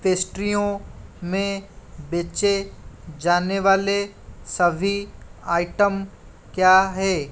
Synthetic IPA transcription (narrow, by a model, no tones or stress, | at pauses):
peːsʈɾijõmẽbeːt͡ʃed͡ʒaːneʋaːle | sɐbʱiaːɪʈəm | kjaːɦɛː